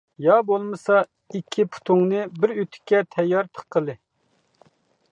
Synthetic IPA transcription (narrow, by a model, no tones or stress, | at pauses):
jɑbolˠmɨsɑ | ikʲʰːipʰu̥t̪ʰuŋnɨbɪɾyt̪ʰɪ̥kʲːɛt̪ʰɛjːɑɾt̪ʰə̥qqʰːəlˠɨ